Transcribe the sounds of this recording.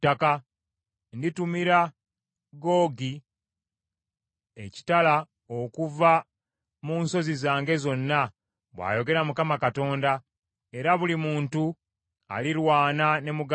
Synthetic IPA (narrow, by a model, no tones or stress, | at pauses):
aka | nditumiɾa | ɡo̞ːɡi | eci̥tala | okuva | muːnso̞zizaːŋɡe̞zo̞nːa | βwa̰ːjo̞ɡe̞ɾamukamakato̞ːnda | e̞ɾaβulimuːntu | a̰lilwaːnane̞muɡ